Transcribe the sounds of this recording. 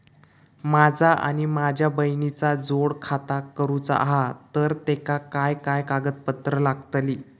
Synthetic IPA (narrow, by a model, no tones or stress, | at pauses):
mad͡zʱaʔa̰ɽ̃imad͡ʑʱjabəjnit͡sad͡zoɽkʰat̪akəɾuːt͡sa̰a̰ɦat̪əɾt̪ekakajkajkaɡət̪̚pət̪ɾəlaɡt̪liː